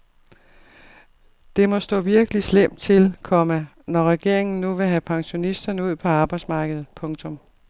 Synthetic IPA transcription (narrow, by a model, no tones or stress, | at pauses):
d̥e̝mɒ̽sd̥ɔ̰̽ːʋiɐɡ̥əlislem̰̥t͡sʰe̝lkʰɒ̽mə | nɒʁɛɡ̥e̝ɐ̰eŋn̩ːuʋe̝ɦæpʰɑ̈ŋɕo̝nisd̥ɐnəuð̰ˠpʰɒ̽ɑ̈ːb̥ɑ̈ɪd̥smɑ̈ːɡ̥əð̞̩ˠpʰɔ̽ŋt͡sʰɔ̽m